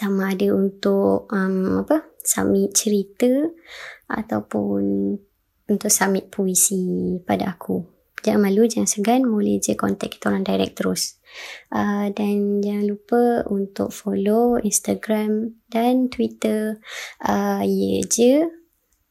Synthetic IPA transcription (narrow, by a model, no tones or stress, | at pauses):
t̪amãːdəunt̪ʊʔ̚əmapəsa̰mɪt̪̚t͡ʃəɾit̪ə | ʔa̰t̪awpʊn | unt̪ʊk̚samɪt̪̚pʰoisipada̰akʰu | d͡ʒaŋanmalud͡ʒaŋansəɡanmoləhd͡ʒəkɔ̰nt̪ɛk̚i̥t̪oɾaŋdajɾɛ̰k̚t̪əɾʊs | ʔədand͡ʒaŋãnlupəunt̪ʊ̰k̚foloinst̪aɡɾamdant̪wit̪əʔəijəd͡ʒə